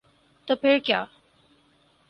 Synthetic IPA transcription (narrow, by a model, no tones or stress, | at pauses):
t̪əpʰɪɾkjaː